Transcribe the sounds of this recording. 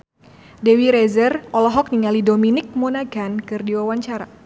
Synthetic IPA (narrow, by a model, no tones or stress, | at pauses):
dɛwiɾɛzərʔɔlɔɦɔk̚niŋalidominɪk̚monaɡankɨrdiwawaɲt͡ʃaɾa̰